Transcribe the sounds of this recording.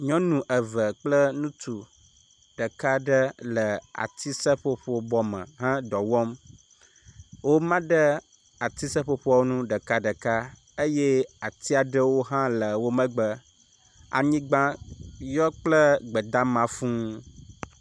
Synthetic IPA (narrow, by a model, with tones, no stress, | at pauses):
ɲɔ̃˦nũ˨ʔə˨və˨k͡plə˦nũ˦t̪u˨ | ɖ̥ə˨ka˦ɖə˦lə˨a̰˨t̪ʰi˦sə˦ɸo˦ɸo˦bɔ˦mə̰̃˨ɦã˦d̪ɔ˨wɔ˦m | wo˦mã˦ɖə˦ | a˨t̪i˦sə˦ɸo˨ɸo˦a˦˨wo˦nũ˦ɖə˨ka˦ɖə˨ka˦ | e˦je˦a˨t̪i˦a˨ɖə˦wo˦ɦã˦lə˨wo˦mə̃˦ɡ͡bə˦ | a̰˨ɲĩ˦ɡ͡bã˦jɔ˦k͡plə˦ɡ͡bə˨d̪a˦mã˨fũ˦